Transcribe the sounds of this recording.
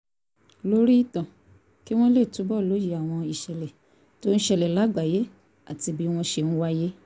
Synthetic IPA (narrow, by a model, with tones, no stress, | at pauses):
lo˦ɾi˦˨tã˨ | ki˦w̃ɔ̃˦le˦˨tũ˨˦bɔ˦˨lo˨˦ji˧˦a˨w̃ɔ̃˧i˨ʃɛ˨lɛ˨ | to˦ñ̩˦ʃɛ˧˨lɛ˨la˨˦ɡ͡ba˨je˦ | a̰˨ti˧bi˦w̃ɔ̃˧ʃe˧ñ̩˦wa˦je˦